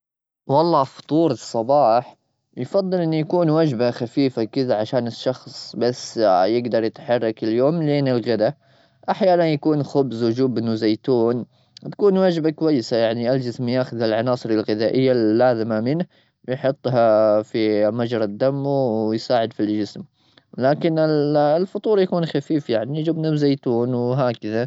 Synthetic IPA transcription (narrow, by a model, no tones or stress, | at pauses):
wɑlˤːɑːfʊ̥t̪ˤuːɾˤɨsˤːɑbɑːħ | jfɑd̪ˤːɨlʔɪnːujakuːnwad͡ʒbaxafiːfakɪðaʕaʃaːnɪʃːɑxsˤbasːjɪɡd̪ɑɾˤjɪt̪ħɑrˤːɑkɪljoːmleːnɪlɣɪd̪a | ʔaħjaːnanjakuːnxʊbzwʊd͡ʒuːbɪnuzeːt̪uːn | t̪ḁkuːnwad͡ʒbakwajːɪsajaʕniʔald͡ʒɪsmjaːxʊðɪlʕɑnɑːsˤɨɾɪlɣɪðaːʔɪjːaːaːzɪmamɪnh | wɪjħʊt̪ˤːɦafimad͡ʒɾˤɑd̪ːamːjsaːʕɪd̪fild͡ʒɪsm | laːkɪnɪllfɑt̪ˤuːɾˤjakuːnxafiːfjaʕnijd͡ʒʊbnazeːt̪uːnwɦaːkaða